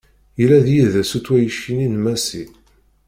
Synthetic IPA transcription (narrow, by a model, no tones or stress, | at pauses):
jəlæðjiðæsut͡sːwæjəʃːininmæsḭ